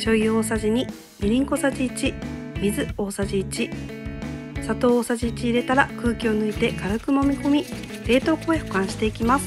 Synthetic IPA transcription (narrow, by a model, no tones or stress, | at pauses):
ɕo̞iɯoːsaʑiɲ̟i | mʲiɾʲĩŋko̞saʑiːt͡ɕimʲizɨo̞ːsaʑiːt͡ɕi | sat̪o̞ːsaʑiːt͡ɕiːɾe̞t̪aɾakɯ̟ːkʲio̞nɯ̟it̪e̞kaɾɯkɯ̟mo̞mʲiko̞mʲi | ɾe̞ːt̪o̞ːko̞e̞hokãɰ̃ɕi̥t̪e̞ikʲimasɨ̥